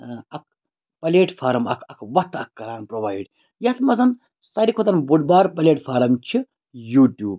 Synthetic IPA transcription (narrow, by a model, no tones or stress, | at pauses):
ɐk̚ʰ | pɐleːʈfʰaːɾɐmɐkʰɐkʰʋɐt̪ʰːɐkːɐɾaːnpɾoːʋaːjɖ | jɐt̪ʰmɐzɐn | sɐɾikʰot̪ɐnbuɖbaːɾpɐleːʈfʰaːɾɐmt͡ʃʰi | juːʈʲjuːb̚